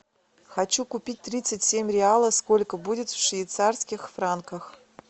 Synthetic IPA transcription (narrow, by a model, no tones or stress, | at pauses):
xɐt͡ɕukʊpʲit̚ʲt̪ɾʲit̪sɨtʲsʲemʲrʲɪalˠəsko̞lʲkəbudʲɪt̪fʂvʲɪːt̪sarskʲɪxfɾankəx